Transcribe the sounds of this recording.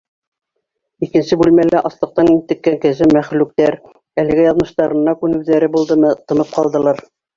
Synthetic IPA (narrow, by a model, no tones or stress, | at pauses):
ikɘ̆nsɘbʉlmælæʔɑslˠɤ̆q̚t̪ɑnint̪ɘ̆kːæŋkɘ̆zɘmæχlʉk̚t̪æɾ | ælɘ̆ɡæjɑðmɤ̆ʃt̪ɑɾɤ̆nːɑkʉnɘ̆wðæɾɘbulˠd̪ɤmɤt̪ɤ̆nɤp̚qɑlˠd̪ɤ̆lˠɑɾ